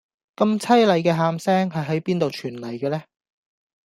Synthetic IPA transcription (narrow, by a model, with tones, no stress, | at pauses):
kɐ˧mt͡sʰɐ˥jlɐ˨˧jkɛː˧ɦaː˧msɛː˥ŋɦɐ˨jɦɐ˨˥jpiː˥nt̪o˨wt͡ʃʰyː˨˩nlɐ˨˩jkɛː˧lɛː˥